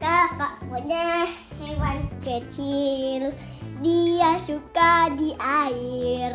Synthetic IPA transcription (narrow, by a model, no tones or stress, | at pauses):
t̪akaʔpɔɲahɛwant͡ʃət͡ʃil | diasukadiʔair